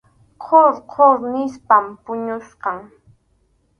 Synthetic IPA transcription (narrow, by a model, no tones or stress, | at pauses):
qʰoɾqʰoɾnɪspampʊɲʊsqɑŋ